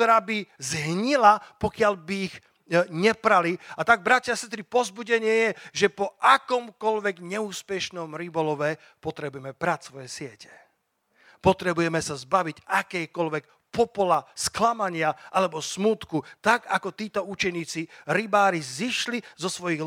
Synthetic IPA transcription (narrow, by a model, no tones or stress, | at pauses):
ɔɾaːbizɦɲilapɔkɪaʎbiːɣ | ɲɛpɾaliat̪aɡ̚bɾacɪjasɛst̪ɾipɔzbuɟɛɲɪɛjɛʒɛpɔʔakɔmkɔʎʋɛɡɲɛuːspɛʃnɔmɾibɔlɔʋɛ | pɔt̪ɾɛbujɛmɛpɾacsʋɔjɛsɪɛcɛ̥ | pɔt̪ɾɛbujɛmɛsazbaʋiɟakɛjkɔlʋɛk | pɔpɔlasklamaɲɪaʔalɛbɔsmut̪kut̪aɡakɔt̪iːt̪ɔut͡ʃɛɲiːt͡siɾibaːɾiziʃlizɔsʋɔjiɣ